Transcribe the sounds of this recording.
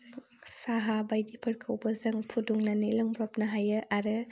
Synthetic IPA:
ŋ | saɦabajdipʰɐɾkʰɐwbɐzɐŋpʰuduŋnanilɔŋbɾɔp̚nɐɦajɯʔaɾɯ

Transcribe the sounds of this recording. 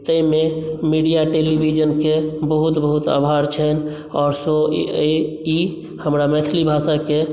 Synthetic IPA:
t̪əjmemiɖijaʈelibʱid͡ʒənkebəɦut̪bəɦut̪a̰bʱaɾt͡ʃʰɛn | ɔːɾso | i | həmɾamɛt̪ʰlibʱasake

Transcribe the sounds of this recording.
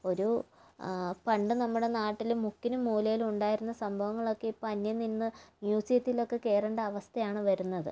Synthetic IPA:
o̞ɾu | pɐɳɖɨnɐmːuɽe̞naːʈːilumːukːinumːuːlɐjiluɳɖaːjiɾunːɐsɐmbʱɐʋɐŋːɐɭo̞kːe̞ipːoɐnːjɐninːɨmjuːsijɐt̪ːilo̞kːe̞ke̞ːrɐɳɖɐɐʋɐst̪ʰɐjaːɳɨʋɐɾunːɐðɨ̰

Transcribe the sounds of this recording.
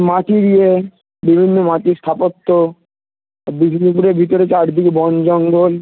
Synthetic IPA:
maʈiɾie | bibʱinːomaʈiɾst̪ʰapot̪ːo | bibʱinipuɾeɾbʱit̪oɾet͡ɕaɾd̪ʱikebɔnd͡ʑɔŋɡol

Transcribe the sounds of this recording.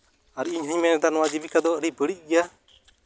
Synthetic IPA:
aɾiɲɦəɲmɛnɛd̪anɔwad͡ʒibikad̪ɔɾibəɽic̚ˀɡɛja

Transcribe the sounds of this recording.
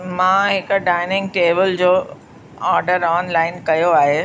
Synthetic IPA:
mãːɦɪkɖaːɪnɪ̃ŋɡ̚ʈeːbɪld͡ʑoː | aːɾɖəɾɔːnlaːɪnkɐjoaːɦe

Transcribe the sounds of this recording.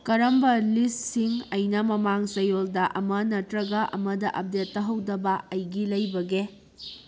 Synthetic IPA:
kɐɾɐmbɐlissiŋɐjnɐmɐmaŋsɐjoldɐʔɐmɐnɐtɾɐɡɐʔɐmɐdɐʔɐp̚detːɐɦɐwdɐbɐɐjɡilɐjbɐɡe

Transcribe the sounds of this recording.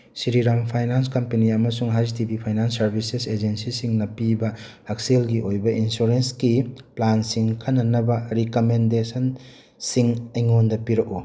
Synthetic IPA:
siɾiɾampʰajnans̬kɐmpeniɐmɐsuŋɦaztibipʰajnansːɐɾbʱisesed͡ʒensisiŋnɐpibɐ | ak̚selɡiʔojbɐʔinsuɾensɡiplansiŋkʰɐnɐnɐbɐɾikomendesɐn | siŋɐjŋondɐpiɾɐku

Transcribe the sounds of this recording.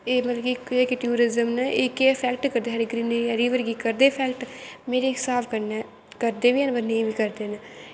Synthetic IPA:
eːmət̪ləkikekeʈuːɾɪzəmnɛʔeːkepʰɛːk̚ʈkəɾd̪eːɦɛɾɪɡɾiːneːjaɾiːʋəɾɡiːkəɾd̪eːpʰɛːkʈmeːɾeːksaːpʰkəɾnɛː | kəɾd̪eːʋiːɛːnbənẽĩʋiːkəɾd̪eːneː

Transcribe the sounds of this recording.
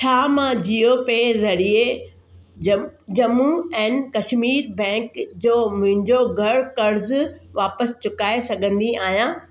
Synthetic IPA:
t͡ɕʰaːmãːd͡ʑiopezɐɽie | ɐd͡ʑɐmuɛ̃ːnɪ̆kɐʃmiːɾbɛ̃ːkd͡ʑoːmʊ̃ɦɪ̃ɲd͡ʑoɡʱɐɾɽkɐɾzʋaːpəst͡ɕʊkaːesɐɡʱə̃nd̪iaːɦijãː

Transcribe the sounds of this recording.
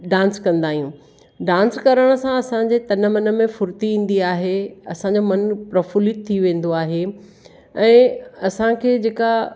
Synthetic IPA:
ɖãːnskɐ̃nd̪aːɦijũː | ɖãːnskɐɾəɽ̃ə̆sãɐsãɲd͡ʑeːt̪ɐnmɐnə̆mẽfʊɾt̪iĩːn̆d̪iaːɦeɐ̰sãɲd͡ʑomɐnpɾɐfʊlit̪ʰːiʋẽːn̆d̪oaːɦe | ɛ̃ːɐsãkʰeːd͡ʑeːka

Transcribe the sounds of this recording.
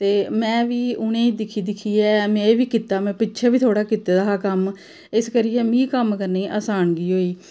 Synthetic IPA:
t̪eːmɛ̃ːʋiːʊnẽːiːd̪ɪkʰiːd̪ɪkʰːiːɛːmɛ̃ːʋiːkɪt̪aːmɛ̃ːpɪtːʃʰɛːbiːt̪ʰoːɽaːkɪt̪eːd̪aːkəm | ɪskəɾijɛːmĩːkəmkəɾneːʔaːsaːnɡiːɦoːiː

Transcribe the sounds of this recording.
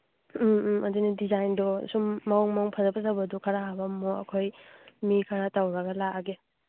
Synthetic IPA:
ʔɐdinidizajndɔsumːawŋmawŋpʰɐzɐpʰɐzawbɐdukʰɐɾaɦabamɔɐ̰kʰojmikʰaɾatawɾɐɡɐlaaɡe

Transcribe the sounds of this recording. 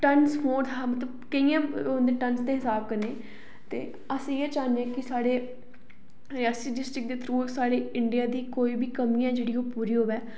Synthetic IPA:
ʈənsɦoːɾd̪aːmət̪ləbkəijãːond̪eːʈənsd̪eːɦɪsaːb̚kəɾneː | t̪ḛː | əsĩːeːt͡ʃaːnd̪eãːkɪsaːɽeː | ɾaːsiːɖɪsʈɾɪk̚d̪eːt̪ʰəɾuːksaːɽeːɪɳɖijaːd̪iːkoːiːbiːkəmĩjãːd͡ʒeːɽiːoːpuːɾiːɦoːbɛː

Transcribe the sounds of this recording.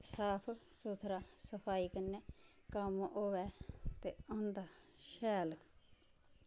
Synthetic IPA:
saːpʰsut̪ʰɾaːsəpʰaːiːkənːeː | kəmoːʋɛːt̪eːãːnd̪aː | ʃɛːl

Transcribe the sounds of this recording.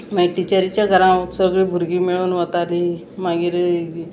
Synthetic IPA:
mɛʈit͡ɕəɾit͡ɕjaɡʱəɾãʋəksəɡɭiːbʱuɾɡiːmiɭuːnʋət̪ali | maɡiɾɡi

